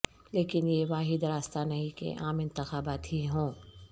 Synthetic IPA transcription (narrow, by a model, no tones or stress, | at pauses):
leːkɪnjeʋaːɦɪd̪ɾaːst̪anɐɦĩkḛʔaːmɪ̃nt̪ɪxaːbaːt̪ɦiɦõː